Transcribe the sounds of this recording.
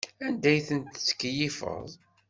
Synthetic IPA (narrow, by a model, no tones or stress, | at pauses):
ænd̪æjθənt̪t͡sːə̥kːjifə̰ðˤ